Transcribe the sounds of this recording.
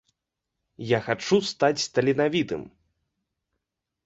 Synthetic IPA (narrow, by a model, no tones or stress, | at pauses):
jaxat͡ʂust̪at͡sʲst̪ɐlʲinavʲit̪ɨ̰m